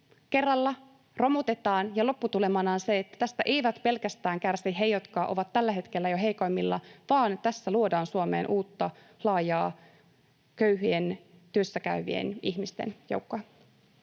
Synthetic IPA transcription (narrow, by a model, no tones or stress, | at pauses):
ke̞rːɑlːɑ | ro̞mut̪e̞t̪ɑːnjɑlo̞pːut̪ule̞mɑnɑːnseet̪ːæ̥t̪æst̪æʔejʋæt̪pe̞lkæst̪æːŋkærsiɦejot̪kɑːʔo̞̰ʋɑt̪ːælːæɦe̞t̪kelːæjoɦe̞jko̞jmːilːɑ̰ʋɑːnt̪æsːæluodɑːnsuomeːnʔuːt̪ːɑ | lɑːjɑː | køɥɦyent̪yøsːækæʋḭḛniçmist̪e̞̰njo̰wkːoɑ